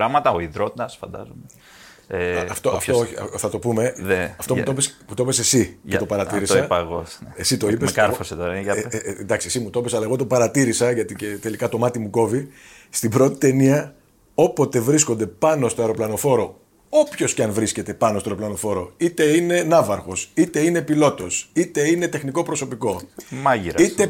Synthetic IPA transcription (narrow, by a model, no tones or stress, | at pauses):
ɾɐmɐt̪ɐoiðɾot̪ɐsfɐ̰nd̪ɐ̰zome | eɐɐft̪oɐfooɐ̰θɐt̪o̞pume̞ɐft̪out̪opesmut̪opese̞siet̪opɐɾɐt̪iɾisiɐpɐɣonesit̪o̞ipemɐɾfoset̪oɾɐnd̪ɐksiesimut̪opesɐlɐeɣot̪opɐɾɐt̪iɾisɐʝɐt̪icet̪e̞likɐt̪o̞mɐt̪imuko̞vi | st̪ibɾo̞t̪i̥t̪e̞niɐ | o̞po̞t̪e̞vɾisko̞nd̪e̞pɐno̞st̪oeɾoplɐno̞fo̞ɾo̞ | o̞pço̞scɐnvɾisce̞t̪e̞pɐnost̪oeɾoplɐno̞fo̞ɾo̞it̪e̞ine̞nɐvɐɾxo̞sit̪e̞ine̞pilo̞t̪o̞sit̪e̞ine̞t̪e̞xniko̞pɾo̞so̞piko̞mɐʝiɾit̪e